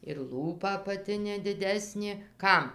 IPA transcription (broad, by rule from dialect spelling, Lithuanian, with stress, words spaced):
ɪr ˈlˠuːpɐ ɐpɐˈtʲɪnʲeː dʲɪˈdʲæːsʲnʲeː ˈkɐm